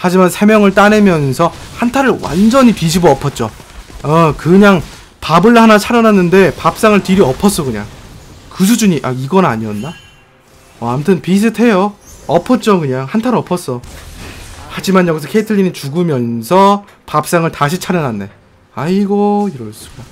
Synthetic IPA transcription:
had͡ʑimansʰe̞mjʌŋɯɭt͈anemjʌnsʰʌhantʰaɾɯɭwa̰nd͡ʑʌɲipid͡ʑʰiboʌpʰʌt̚t͡ɕ͈o̰ | ʌkɯɲaŋ | pabɯɭhanat͡ɕʰaɾjʌnanːɯnde̞pap̚s͈aŋɯɭtiɾiʌpʰʌs͈ʌkɯɲa̰ŋkɯs̬ʰud͡ʑuɲiʔaiɡʌna̰ɲiʌnːa | ʌamtʰɯnpis̬ʰɯtʰe̞joʌpʰʌt̚t͡ɕ͈okɯɲaŋhantʰaɾʌpʰʌs͈ʌ | had͡ʑimanjʌɡis̬ʰʌkʰeitʰɯɭːinit͡ɕuɡɯmjʌnsʰʌ | pap̚s͈aŋɯɭtaɕ̬ʰit͡ɕʰaɾjʌnanːe̞ | aiɡoiɾʌɭs͈ɯ̥k͈a

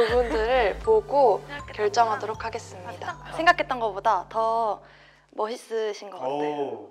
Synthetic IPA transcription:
ubundɯɾɯɭpoɡokjʌɭt͡ɕ͈ʌŋɦadoɾokʰaɡe̞s͈ɯmɲidasʰe̞ŋɡakʰe̞t͈̚ʌnɡʌbodatʌ | mʌɕis͈ɯɕʰinɡʌkaejo

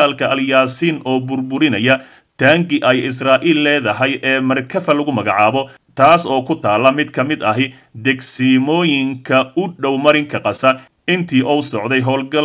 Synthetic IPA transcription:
aːlkʰɐʔɐljaːsiːnɔːbʊrbʊɾɪnɐjɐ | t̪ʰaːŋɡɪʔɛjɪs̬raːʔiːlːɛːðɐɦɐjʔɛːmɐrkʰɐfɐlɐɣʊmɐɣɑʕɑːβɔ | t̪ʰaːsɔːkʰʊt̪ʰaːlːɐmɪd̪kʰɐmɪd̪ɐɦɪ | d̪ɛɡsiːmɔːjɪŋkʰɐʊɖɔwmɐɾɪŋkʰɐqɑsɐ | ɪnt̪ʰiːʔɔwsɔʕd̪ɛjɦɔːlɡɐl

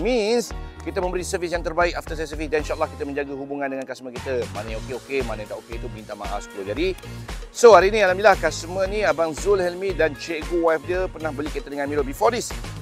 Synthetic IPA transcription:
mĩnskit̪əmə̃mbəɾisəvisjãŋt̪ərbaik̚aft̪əsɛsəfisdaninʃaəlːahkit̪əmə̃ɲd͡ʒaɡəɦubuŋãndəŋankasmə̃kit̪əmanəjokeokemanəjt̪aʔoket̪ubint̪ama̰ɦa̰fsəkulod͡ʒadisoaɾinĩalamilahkasmənĩabaŋzulhɛlmidant͡ʃeʔɡuwafdiəpərnahbəlikit̪ədəŋãnmilobifɔdis

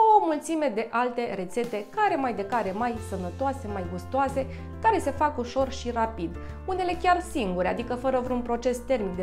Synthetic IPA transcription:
d̪owəmult̪sime̞d̪e̞ʔalt̪e̞ɾe̞t̪se̞t̪e̞kaɾe̞majd̪e̞kaɾe̞majsənət̪oase̞majɡust̪oase̞ | kaɾe̞se̞fakuʃo̞rʃirapid̪ | une̞le̞kʲarsiŋɡuɾead̪ikəfəɾəvɾeunpɾo̞t͡ʃe̞st̪e̞rmikd̪e

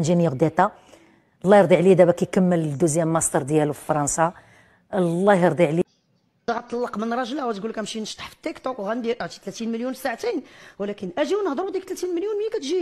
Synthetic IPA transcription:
nʒinjəɣd̪æt̪æ | lˤːɑjɾˤd̪ˤiʕlid̪æbækæjkəmːəld̪uzjæmːɑst̪ɑɾˤd̪jælufi̥fɑɾˤɑnsɑ | əlːɑɾˤd̪ˤiʕli | ɣɑt̪ːˤɑlːɑqmənɾˤɑʒəlæwæt̪ɡulkæmʃinəʃt̪ˤɑ̥ħfə̥t̪ːəkt̪okwɣænd̪iʔʕt̪i̥t̪læt̪inməljunsːaʕat̪inwlækənʔæʒiwnəhd̪ˤɾud̪ikt̪læt̪inməljunmjækæt̪ʒi

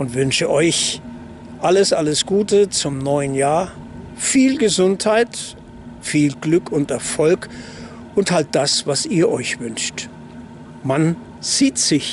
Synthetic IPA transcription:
ʔʊntv̥ʏnʃəʔɔʏç | ʔaləsʔaləsɡ̥uːtət͡sʊmnɔʏənjaːɐ | fiːlɡəzʊnthaɪt | fiːlɡlʏkʰʊntɛɐfɔlk | ʔʊnthalt̚d̥asv̥asiːɐʔɔʏçv̥ʏnʃt | man | z̥iːtz̥ɪç

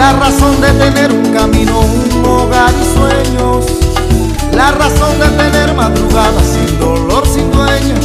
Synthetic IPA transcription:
laraso̞nd̪et̪e̞ne̞ɾuŋkamĩno̞unloɣaɾiswe̞ɲos | laraso̞nd̪e̞t̪e̞ne̞ɾmaðɾuɣaðasind̪o̞lo̞ɾsind̪we̞ɲo

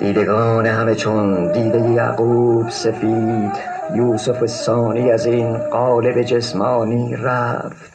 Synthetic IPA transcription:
d̪iːd̪e̞ɡɒːne̞hæme̞t͡ʃʰond̪iːd̪ejejæ̰ːɡuːbsefid̪̥ | juːsofesɒːniːæziːnɢɒːle̞be̞d͡ʒe̞smɒːniːɾæft̪

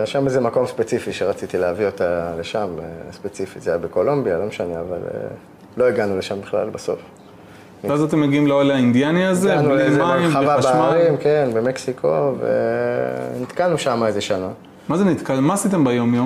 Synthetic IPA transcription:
aʃamezemako̞mspet͡sifiʃeʁat͡sit̪ileavio̞t̪ale̞ʃamespet͡sifizejabeko̞lombijalo̞meʃaneava̰lḛḛ | lo̞iɡanuleʃambiχla̰lbaso̞̰f | veazat̪̬emːeɡiimloalaind̪ianiazenimaimavabemaʁimkenbemeksikʰo̞vḛ | nit̪kalnuʃamaezeʃana | mazenit̪kalmaːsit̪̬embajo̞mjom

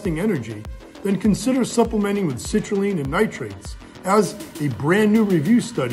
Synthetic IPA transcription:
tɪ̃ŋɛñə˞d͡ʒi | ðɨ̃nkʰɨ̃nsɪɾə˞sʌpləmɛ̃ɾ̃ɪ̃ŋwɨð̥sɪt͡ʃɹ̥əlˠĩnɨ̃nːaɪtʰɹ̥eɪtz | əzɨbɹæ̃nːʉɹivjʉstʌɾ

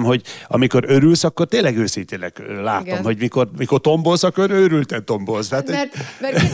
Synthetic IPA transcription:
mhoɟɒ̰miko̞ɾøɾylsɒkːo̞rt̪eːnlːɛɡøːsint̪eːnɛklaːt̪o̞mhoɟmiko̞rmiko̞rt̪o̞mbolsɒkːoɾøɾylt̪ɛnt̪o̞mbolst̪at̪ɛ

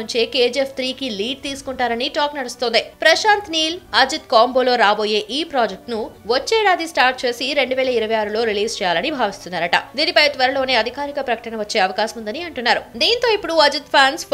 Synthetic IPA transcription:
ɲt͡ʃeːkeːd͡ʒepʰt̪ʰɾiːkiliːɖ̚t̪iːsu̥kuɳʈaːɾɐniʈaːknɐɽust̪oːnd̪ipɾɐʃaːnt̪niːlɐd͡ʒut̪kaːmbo̞ːlo̞ːɾaːboːje̞ːʔiːpɾaːd͡ʒek̚ʈnuʋɐt͡ʃːɛːɽaːd̪isʈaːɾʈ̚t͡ʃe̞ːsiɾe̞ɳɖuʋɛːlɐiɾɐʋɐjaːɾulo̞ːɾiliːzt͡ʃɛːjaːlɐnibʱaːʋist̪unːaːɾɐʈɐ̰d̪iːnipɐjt̪ʋɐɾɐlo̞ːne̞ːɐd̪ʱikaːɾikɐpɾɐkɐ̥ʈɐnɐʋɐt͡ʃːe̞ːɐʋɐkaːʃɐmund̪ɐniɐɳʈunːaːɾud̪iːnt̪o̞ːipːuɽuɐd͡ʒut̪pʰaːns

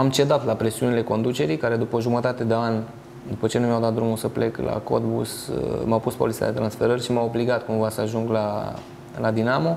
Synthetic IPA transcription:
amt͡ʃe̞d̪at̪lapɾe̞siunile̞ko̞nd̪ut͡ʃe̞ɾijkaɾe̞d̪upəʒumət̪at̪e̞d̪e̞an | d̪upət͡ʃenumjawd̪at̪̚d̪ɾumusəple̞kla̰ko̰d̪bṵsmawpuspo̞lit̪sia̰d̪e̞t̪ɾansfe̞ɾərʲʃimaobliɡat̪kumvasəaʒuŋɡla | lad̪inamo̞

